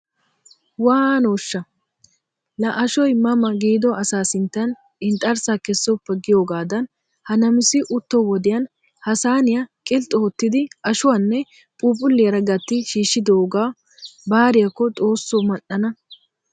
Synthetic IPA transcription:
waːnoːʃːɐ | lɐʔɐʃɔjmɐmɐɡiːd̪ɔɐsaːsɪnt̪ːɐn | ɪnt̪ʼɐɾsakɛsːɔpːɛɡɪjo̞ːɡaːd̪ɐn | hɐnɐmɪsɪʔʊt̪ːɔwɔd̪ɪjɐn | hɐsaːnɪjɐkʼɪlt̪ʼɔɔt̪ːɪd̪ɪɐʃʊwanːɛ | pʼuːpʼʊlːɪjɐɾɐɡɐt̪ːɪʃiːʃːɪd̪oːɡaː | baːɾɪjɐkːɔt̪ʼo̞ːsːomɐʔːɐnɐ

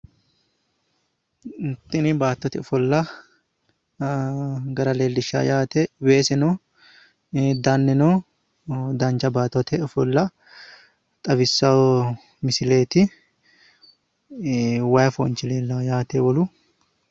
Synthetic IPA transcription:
t̪ːɪnɪbaːt̪ːɔt̪ɪɔfɔlːɐ | ɡɐɾɐle̞ːlːɪʃːa̰jaːt̪eweːsɛnɔ | d̪ɐnːɛnoː | d̪ɐnt͡ʃɐbaːt̪ːɔt̪ʰɛɔfɔlːɐ | t̪ʼɐbɪsːɐwɔ | mɪsɪle̞ːt̪ɪ | wɐjɐfɔ̰nt͡ʃɪleːlːɐjaːt̪ewɔlʊ

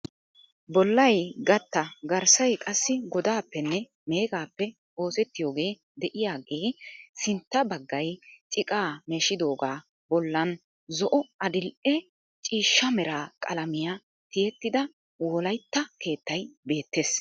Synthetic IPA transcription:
bɔlːɐjɡɐt̪ːɐɡɐɾsɐjkʼɐsːɪɡɔd̪aːpːɛnːɛ | me̞ːɡaːpːɛ | o̞ːsɛt̪ːɪjo̞ːɡe̞ː | d̪ɛʔɪjaːɡe̞ːsɪnt̪ːɐbɐɡːɐjt͡ʃʼɪkʼaːmeːʃɪd̪o̞ːɡaː | bɔlːɐn | zɔʔɔɐd̪ɪlʔɛ | t͡ʃʼiːʃːɐmɛɾaːkʼɐlɐmɪja | t̪ɪjɛt̪ːɪd̪ɐ | wɔlɐjt̪ːɐke̞ːt̪ːɐjbe̞ːt̪ːe̞ːs

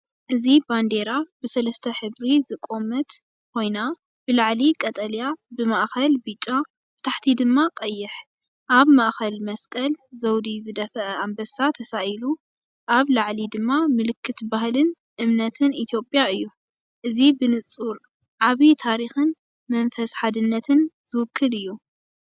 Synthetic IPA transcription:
ʔɨziband̪e̞ɾabɨsɐlɐst̪ʰɐħɨβɾizɨkʼo̞mɐt̪ | kʰo̞jna | b̥ɨlaʕlikʼɐt̪ʼɐljabɨmaʔxɐlbɨt͡ʃʼːa | b̥ɨt̪ʰaħt̪ʰid̪ɨmːaqʼɐjːɪħ | ʔaβmaʔxɐlmɐskʼɐlzɐwd̪izɨd̪ɐfʔɐambɐsat̪ʰɐsaʔlu | ʔaβlaʕlid̪ɨmːamɨlɨkʰːɨt̪bahlɨn | ʔɨmnɐt̪ʰɨnʔit̪ʰjo̞pʼjaɨjːu | ʔɨzibɨnɨt͡sʼuɾ | ʕaβit̪ʰaɾixɨn | mɐnfɐsħad̪ɨnːɐt̪ʰɨnzɨwɨkʰːɨlɨjːu

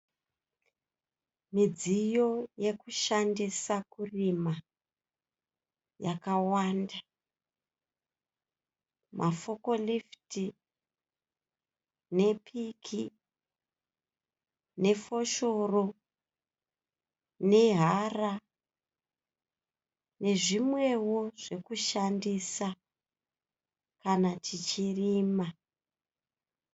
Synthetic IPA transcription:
mid͡zijo̞je̞kuʃandisakurima | jakawaːnda | mʔafo̞ko̞lifti | ne̞pʰikʰi | ne̞fo̞ʃo̞ro̞ | ne̞ɦara | ne̞ʐimwe̞wo̞ʐe̞kuʃandisa | kanatʰit͡ʃiriːma

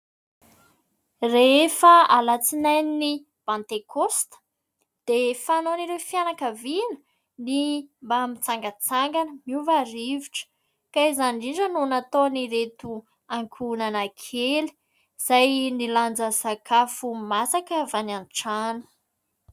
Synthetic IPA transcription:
refəalat͡sinajnni | pãnt̪ekost̪ə̥ | d̪̥efanoniɾewfianakəvinə̥ | nimbamit͡saŋɡət͡saŋɡanəmiuvaɾiviʈ͡ʂə̥ | kaizaniɳɖ͡ʐənunat̪oniɾet̪u | aŋkʰunanakʰeli̥ | z̥ajniland͡zəsakʰafumasakəvananʈ͡ʂanə̥

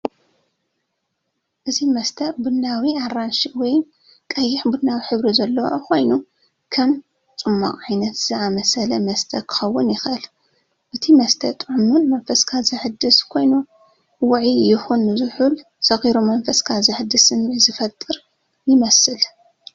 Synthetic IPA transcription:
ʔɨzimɐst̪ʰɐɾbɨnːawiaranʃiwɔj | kʼɐjːɪħbɨnːawiħɨβɾizɐlːɐwo̰kʰo̞jnu | kʰɐm | t͡sʼɨmːa̰kʼʕajnɐt̪z̥ɨamɐsɐlɐmɐst̪ʰɐɾkʰɨ̥xɐwːʊnjɪxʔɨl | ʔɨt̪ʰimɐst̪ʰɐ̰t̪ʼʕʊmunmɐnfɐskʰazɨħɨd̪ɨskʰo̞jnu | wʊʕijɪxunːɨzɨħul | sɐɣiɾomɐnfɐskʰazɨħɨd̪ːɨsɨnizɨfɐt̪ʼːɨɾ | jɪmɐsɨl

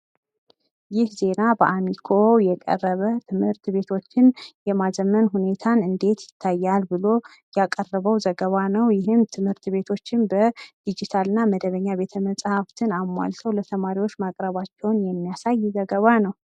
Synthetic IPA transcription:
jɪhze̞nabəʔamikʰo̞jɛkʼə̰rːəβət̪ʰɨmhɨɾt̪βe̞t̪ʰo̞t͡ʃːɪnjɛmazəmːənɦune̞t̪ʰanɨnd̪e̞t̪jɪt̪ʰːajːalbɨlo̞ | jakʼərːəβəwzəɡəβanəwjɪɦɨmt̪ʰɨmhɨɾt̪be̞t̪ʰo̞t͡ʃːɪnbəd̪̥id͡ʒit̪ʰalɨnːaməd̪əβəɲːaβe̞t̪ʰəməsʼhaft̪ʰɨnamːa̰lt̪ʰəwlət̪ʰəmaɾiwo̞t͡ʃːmakʼɾəβat͡ʃːɛwnjɛmːijasajːzəɡəβanəw

